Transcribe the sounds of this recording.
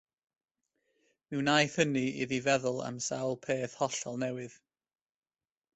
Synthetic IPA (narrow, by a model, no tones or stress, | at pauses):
mɪwnajθəniɪ̰ðivɛðʊlˠa̰msawlˠpʰeːθhɔɬɔlˠnɛwɪð̥